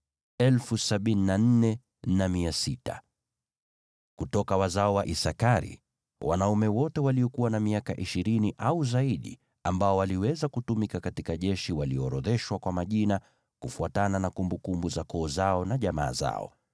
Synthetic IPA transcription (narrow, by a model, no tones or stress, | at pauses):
ɛlfusaɓininan̩nɛ | namiasita̰ | kutɔkawazaɔwaʔisakaɾḭ | wa̰naumɛwɔtɛwaliɔkuwanamiaka̰ʔiʃiɾiniʔauzaiɗḭ | ambaɔwaliwɛzakutumikakatikaʄɛʃiwaliɔɾɔðɛʃwakwamaʄina | kufuatananakumbukumbuzakɔːzaɔnaʄama̰ːza̰ɔ̰